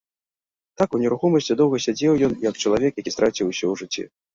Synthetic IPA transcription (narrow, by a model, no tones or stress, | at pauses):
t̪akunʲɛɾuxɔmɐsʲt͡sʲid̪ɔwɣɐsʲad͡zʲɛwjɔnjɐkt͡ʂɐlˠavʲɛkjakʲist̪ɾʔat͡sʲiwsʲɔuʐɨt͡sʲːḭ